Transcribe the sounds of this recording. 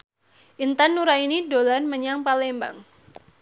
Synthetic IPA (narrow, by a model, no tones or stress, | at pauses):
ʔint̪anːuɾainidolanməɲaŋpalɛmba̰ŋ